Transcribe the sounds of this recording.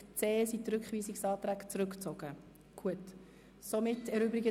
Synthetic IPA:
t͡seːsitɾʏkχʋiːsɪksɑːtɾæːɡt͡sɾʏkt͡sɔɡ̥ə | ɡ̥uət | somɪtɛɾʏbɾɪɡə

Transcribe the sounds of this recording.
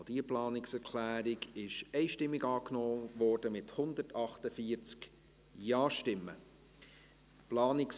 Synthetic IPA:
d̥iːəplɑːnɪksɛɾkʰlæːɾɪɡɪʃɛɪʃtɪmːɪɡɑːknɔːʋɔːɾd̥əmɪthʊnd̪ətɑχtəfiːəɾt͡sk | jɑːʃtɪmːə̰ | plɑːnɪks

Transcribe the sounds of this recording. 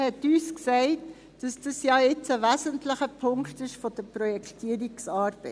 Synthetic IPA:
hɛtyːsksɛɪt | d̥ɑsd̥ɑsjɑɪt͡səʋæszəntlɪχəpʰʊŋktɪʃfod̥əpɾɔjɛktiːɾiksɑːɾb̥ɛ

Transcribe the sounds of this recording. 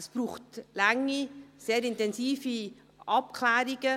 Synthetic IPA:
ɛsb̥ruːχtlaŋiseːɾɪntɛnziːfi | ʔɑp̚kʰlɛːɾɪɡə

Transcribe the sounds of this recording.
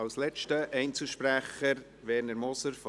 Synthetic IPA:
ɑwslɛt͡ʃtəʔɛɪnt͡səʃpɾæχəɾ | ʋɛɾnəɾmɔsəɾf

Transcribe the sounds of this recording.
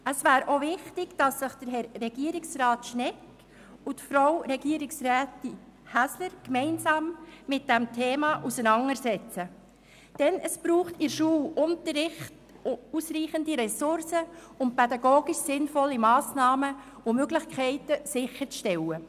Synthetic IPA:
əsvæːɾʔovɪχtɪɡ̥d̥ɑsːɪχd̥əɾɦɛɾːɛɡ̥iəɾɪksrɑːtʃnɛk | ʊtfɾawɾɛɡiːɾɪksræːti | hæsləɾkmɛɪnsɑːmmɪt̚d̥ɛmtʰeːmɑʔusənɑŋəɾsɛt͡sə | d̥ɛnʔəsb̥ɾuːχtɪɾʃuːlʔʊntəɾɪχt | usriːχəndiɾɛsʊɾsə | ʊnt̚pɛdɑɡoːɡiʃsɪnfɔlːimɑːsnɑːmə | ʊmøɡlɪχkʰɛɪtəsɪxəɾt͡sʃtɛlə

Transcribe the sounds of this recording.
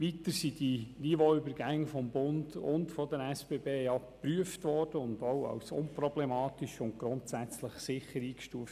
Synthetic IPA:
ʋitəɾsidinivoybəɾɡæŋːəfɔmbʊndʊ̰ntfɔdəɾɛsb̥eːbeːjɑ | pɾyəftʋɔːrd̥əʊndowɑ̰wsʊ̰npɾɔblemɑːtiʃʊntɡ̥ɾʊntsæt͡sləχsɪχəɾiːkʃtuəft

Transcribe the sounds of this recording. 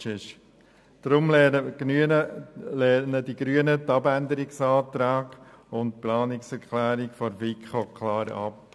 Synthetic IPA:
ɪʃ | d̥ɾʊmlɛynəlɛːnədiɡɾyənətɑbænd̪əɾɪksɑːt̪ɾaːɡ̥ | ʊntplɑːnɪksɛɾkχlæːɾɪkfɔɾvikχokʰlɑːɾɑ̰p

